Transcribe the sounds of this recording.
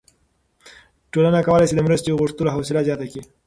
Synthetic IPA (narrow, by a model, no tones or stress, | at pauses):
ʈolanakawəlajsed̪əmɾəst̪eɣʊʂt̪əloɦawsɪlazjɑt̪aki